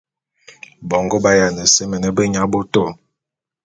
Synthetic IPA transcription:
bɔ˨ŋɡo˦ba˦ja˨nə˨sə˦mə˨nə˦bə˦ɲa˦bo˦to˦˨

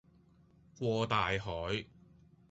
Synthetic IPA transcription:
kʷɔː˧t̪aː˨jɦɔː˨˥j

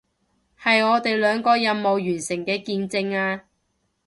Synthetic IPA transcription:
hɐ˨jɔː˨˧t̪e˨jlœː˨˧ŋkɔː˧jɐ˨˧nmo˨˧wjyː˨˩nsɪ˨˩ŋkɛː˧kiː˧nt͡sɪ˧ŋaː˧

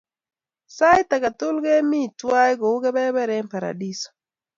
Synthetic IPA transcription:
sa˦jt̪a˨ka˨tʊ˦lɡɛ˦mi˦˨twa˦jɡo˨u˦ɡɛ˦bɛ˦bɛ˦ɾɛ˦mpa˨ɾa̰˨di˦sɔ̥˨

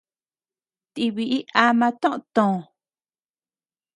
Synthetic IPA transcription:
t̪i˧βi˨ʔi˦ʔa˦mã˧t̪õ˦ʔt̪õ˨

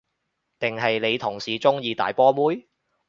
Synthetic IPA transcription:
t̪ɪ˨˩ŋɦɐ˨jle˨˧jt̪ʰʊ˨˩ŋsiː˨t͡sʊ˥ŋjiː˨˧t̪a̰ː˨jpɔː˥muː˥j

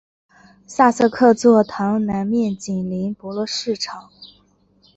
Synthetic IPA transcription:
sa˥˧sɤ˥˧kʰɤ˥˧t͡swɔ˥˩t̪ʰɑ˧˥ŋna˧˥nmjɛ˥˩nt͡ɕi˨˩nli˧˥npɔ˧˥lwɔ˥˧ʂɻ̩˥˩ʈ͡ʂʰɑ˨˩˦ŋ

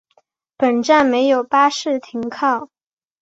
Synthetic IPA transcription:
pə˨˩nʈ͡ʂa˥˩nme˧˥ɪjo˨˩ʊpa˥ʂɻ̩˥˩t̪ʰi˧˥ŋkʰɑ˥˩ʊ

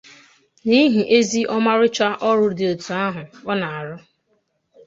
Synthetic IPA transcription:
ni˦ɦi˨ʔe˦zi˦ʔɔ˦ma˦ɾɪ˦t͡ʃa˦ʔɔ˦ɾʊ˦dɪ˨o˨tu˨a˦ɦʊ˨ɔ˦na˨a˨ɾʊ˦

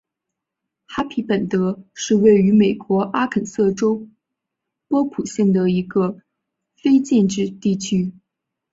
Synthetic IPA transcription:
xa˥pʰi˧˥pə˨˩nt̪ɤ˧˥ʂɻ̩˥˧we˥˩ɪy˧˥me˨˩ɪkwɔ˧˥ʔa˥kʰə˨˩nsɤ˥˩ʈ͡ʂo˥ʊ | pwɔ˥pʰu˨˩ɕjɛ˥˩nŋd̪ə˩i˧˥ɡə˧ | fe˥ɪt͡ɕjɛ˥˧nʈ͡ʂɻ̩˥˧t̪i˥˩t͡ɕʰy˥

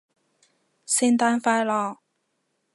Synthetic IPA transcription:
si˥nt̪a˥nfa˥ɪla˥˧˩

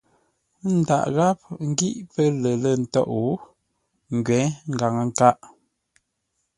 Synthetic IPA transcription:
n̩˨da̰˨ʔɣa˦p̚ŋ̩˦ɡi˦ʔpə˦lə˨lə˦˨n̩˨tɔ̰˦˨ʔu˨˦ | ŋ̩˨ɡɥɛ˨˦ŋ̩˦ɡa˨ŋə˨ŋ̩˦˨ka˦ʔ

